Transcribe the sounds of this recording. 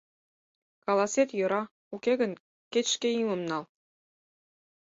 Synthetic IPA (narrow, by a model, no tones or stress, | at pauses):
kɑlˠɑsʲet̪jɤ̆ɾɑ | ukʲeɣə̆n | kʲet̪ʃkeimɤ̆mnɑlˠ